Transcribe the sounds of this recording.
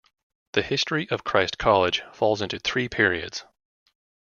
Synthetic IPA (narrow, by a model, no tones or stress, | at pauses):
ðɨhɪstɹ̥iʔʌv̥kʰɹ̥aɪskʰɑlˠɪd̥ʒ̥fɔlˠzɪ̃ntʉθɹipʰɪɹiɨ̰dz̥